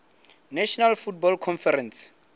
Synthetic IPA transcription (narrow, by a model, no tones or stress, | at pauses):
naʃɔnalfut̚bɔlkʰɔnfɛɾɛns